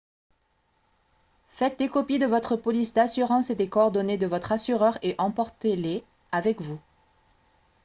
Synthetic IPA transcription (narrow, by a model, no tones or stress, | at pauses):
fɛt̪̚d̪ekɔpid̪əvɔt̪χəpɔlisd̪asyʁɑ̃sed̪ekɔːʁd̪ɔned̪əvɔt̪χasyʁœʁeʔɑ̃pɔʁt̪ele | avɛkvu